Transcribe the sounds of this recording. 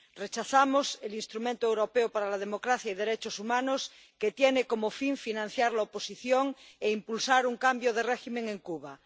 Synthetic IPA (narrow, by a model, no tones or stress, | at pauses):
ret͡ʃaθamoselinst̪ɾumẽnt̪oewɾopeopaɾalað̞emokɾaθjaið̞eɾet͡ʃosumãnos | ket̪jenekomofiɱfinãn̟θjaɾlaoposiθjoŋeimpulsaɾuŋkambjoðereximeŋẽŋkuβ̞a